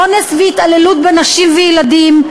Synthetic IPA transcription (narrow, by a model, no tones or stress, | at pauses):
onesveit̪alelut̪̚benaʃimvejelad̪im